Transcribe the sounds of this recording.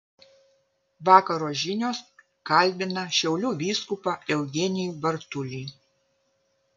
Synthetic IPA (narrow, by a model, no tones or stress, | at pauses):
ʋɑːkɐɾoːʒʲɪnʲoːs | kɐlʲbʲɪnɐʃʲɛʊlʲuʋʲiːskʊpɑɛʊɡʲɛnʲɪjubɐɾt̪ʊlʲiː